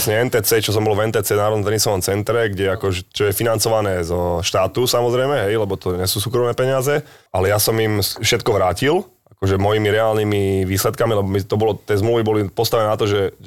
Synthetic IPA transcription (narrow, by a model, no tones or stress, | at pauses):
sɲɛɛnt̪ɛːt͡sɛt͡ʃɔs̬ɔmbɔlvɛnt̪ɛːt͡sɛːnaːɾɔd̪ɔmt̪ɛnisɔʋɔmt͡sɛnt̪ɾɛɡɟɛakɔʒɛt͡ʃɔjɛfinant͡sɔʋanɛːzɔʃt̪aːt̪usamɔzɾɛjmɛɦɛjlɛbɔt̪ɔɲɛsuːsuːkɾɔmnɛːpɛɲɪazɛʔalɛjasɔmimfʃɛt̪kɔʋɾaːcil | akɔʒɛmɔjimiɾɛaːlnimiʋiːslɛt̪kamilɛbɔmit̪ɔbɔlɔt̪ɛzmluːʋibɔlipɔst̪aʋɛnɛːnat̪ɔʒɛ